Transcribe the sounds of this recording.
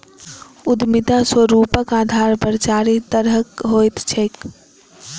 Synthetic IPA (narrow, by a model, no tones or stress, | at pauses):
ud̪mid̪aswəɾuːpəkaːd̪ʱaɾpəɾt͡ʃaːɾit̪əɾəkɦojt̪t͡ʃʰek